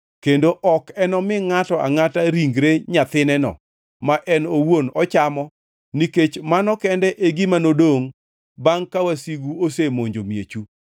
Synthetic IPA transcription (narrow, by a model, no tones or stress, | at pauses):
kendoʔɔkɛnɔmɪŋatɔa̰ŋataɾiŋɡɾeɲat̪ɪnɛnɔ̰ | maʔɛnowonɔt͡ʃamɔ | niket͡ʃmanɔkɛndɛʔeɡimanodoŋ | baŋkawasiɡuosemoɲd͡ʒomjḛt͡ʃu